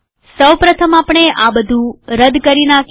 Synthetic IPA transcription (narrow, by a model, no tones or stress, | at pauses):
səwpɾət̪ʰəmapɳ̃eʔabəd̪ʱũɾəd̪kəɾinak